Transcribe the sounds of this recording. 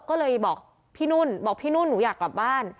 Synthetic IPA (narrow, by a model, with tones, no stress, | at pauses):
kɔː˥˩lɤː˧jbɔː˨˩k̚ | pʰiː˥˩nu˥˩nbɔː˨˩k̚pʰiː˥˩nuː˥˩nːuː˩˦jaː˨˩kla˨˩p̚baː˥˩n